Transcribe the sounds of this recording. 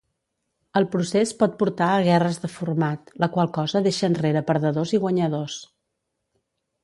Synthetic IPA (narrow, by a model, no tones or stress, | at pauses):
əlˠpɾusespɔt̪̚puɾt̪aəɣ̞ɛrəzðəfuɾmat̪ləkwalˠkɔzəðeʃənreɾəpəɾðəðoziɣwəɲəðos